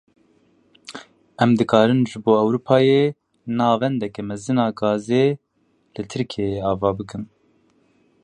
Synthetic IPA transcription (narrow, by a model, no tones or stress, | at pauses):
ɛmd̪ɨkɑːɾɨnʒɨboːɛwɾuːpʰɑːje | nɑːvɛnd̪ɛkɛmɛzɨnɑːɡɑːzeː | lɨt̪ʰɨɾkʰeɑːvɑːbɨkɨm